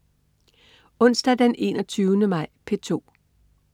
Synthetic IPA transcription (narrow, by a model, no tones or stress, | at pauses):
ɔ̽n̰sd̥æd̥ene̝̰nɒt͡sʰyːʊnəmɑ̈ɪ̰pʰe̝t͡sʰo̝̰ː